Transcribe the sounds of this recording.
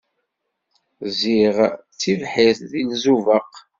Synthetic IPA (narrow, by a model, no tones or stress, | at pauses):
ziʁ | t͡sːivħiθðilzuvəq